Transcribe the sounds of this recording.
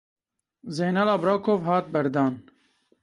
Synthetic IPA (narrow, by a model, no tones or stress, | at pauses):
zeːnɑlɑːbɾaːkʰoːvɦɑːt̪̚bɛɾd̪ɑːn